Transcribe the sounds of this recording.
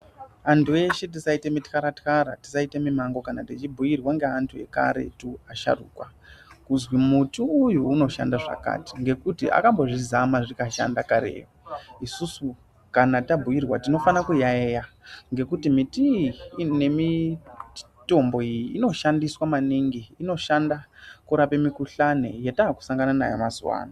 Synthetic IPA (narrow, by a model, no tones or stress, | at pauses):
antʰue̞ʃet̬isaite̞mitkaɾatkaɾa̰ti̥saite̞mimaŋɡo̞kanatit͡ʃibʱujirwaŋɡeantʰue̞̰ka̰ɾe̞̰tuaʃa̰rṵːkwakuzwimutuːjuːno̞ʃa̰ndaʐa̰ka̰ti̥ŋɡe̞kutḭʔa̰kambo̞ʐizamaʐikaʃa̰ndakaɾḛːoisusu | kanatabʱujirwatino̞fanakujaeja | ŋɡe̞kutimitine̞mi | to̞mbo̞ijiino̞ʃandiswamaniŋɡiːno̞ʃandakuɾape̞mikuɬanḛjetaːku̥saŋɡanana̰jo̰mazuwa̰ːna